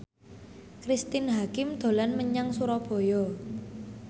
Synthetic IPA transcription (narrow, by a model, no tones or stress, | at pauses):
kɾist̪ɪnɦakɪmd̪̥o̤lanməɲaŋsuɾɔb̥ɔ̤jɔ